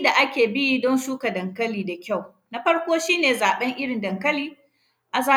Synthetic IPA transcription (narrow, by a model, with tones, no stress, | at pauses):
da˨ʔa˦kʲeː˨bɪ˦ji˦dɔ˦nsuː˦ka˨dɐ˨ŋkɐ˦liː˨da˨kʲa˦˨w | na˦ɸɐ˦ɽkʷoː˦ʃiː˦neː˨zaː˨ɓɛ˦ŋʔɪ˦ɽɪ˨ndɐ˨ŋkɐ˦liː˦ | ʔa˨zaː˦